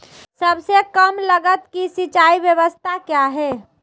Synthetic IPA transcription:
səbsekəmləɡət̪kisit͡ʃaːiʋjəʋəst̪ʰakjaɦɛː

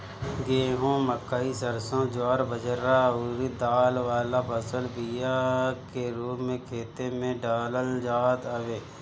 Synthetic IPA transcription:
ɡeːɦõːməkːaːisəɾsõːd͡ʒwaːɾbəd͡ʒəɾauɾid̪aːlʋaːlapʰəsəlbijakeɾuːpmẽkʰeːt̪emẽɖaːləld͡ʒaːt̪əʋeː

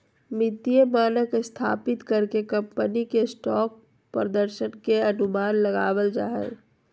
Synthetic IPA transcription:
mɪt̪ijəmaːnəkɪst̪ʰa̰ːpɪt̪kəɾkekɐ̃mpənikesʈɔːk̚ | pɾəd̪əɾʃənkeɐnʊmaːnləɡaːwəld͡ʒa̰ːɦə̰l

